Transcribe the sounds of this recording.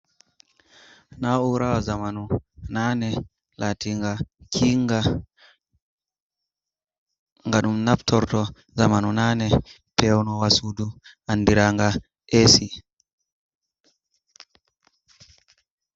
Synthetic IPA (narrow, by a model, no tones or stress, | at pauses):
nauɾawazamanunanɛ | latiŋɡakʰiŋɡa | ŋɡaɗumnaptʰɔɾtɔ | zamanunanɛ | pɛwnɔwasuduʔandiɾaŋɡa | ʔesi